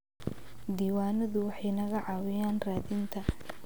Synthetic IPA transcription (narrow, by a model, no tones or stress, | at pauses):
d̪iːwaːnɐðʊwɑħɑjnɐɣɐʕɑwɪjaːnraːðint̪ʰɐ